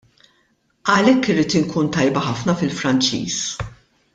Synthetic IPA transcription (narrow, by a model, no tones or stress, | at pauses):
ɐlɛkːɪrːiːt̪ɪŋkuːnt̪ɐjbɐħɐfnɐfɪlfɾɐnt͡ʃḭːs